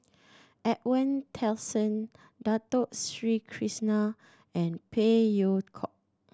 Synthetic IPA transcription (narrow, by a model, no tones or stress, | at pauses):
ʔɛʔ̚wə̃ntʰɛlsə̃n | datoʔ̚sɹikʰɹisna | ɛ̃npʰejokʰɔ̰ʔ̚